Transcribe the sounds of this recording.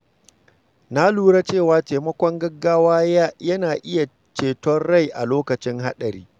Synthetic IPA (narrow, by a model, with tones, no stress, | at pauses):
na˦luː˦ɾa˦t͡ʃeː˦˨waː˨˦teː˨mɐ˦kʷɔ˦ŋɡɐ˦ɡːaː˦waː˦ja˦jɐ˦naː˨ʔɪ˦ja˨ | t͡ʃeː˨tɔ˦rɽa˦jʔa̰˨loː˦kɐ˨t͡ʃɪ˦ŋɦa˦ɗɐ˨ɾḭː˦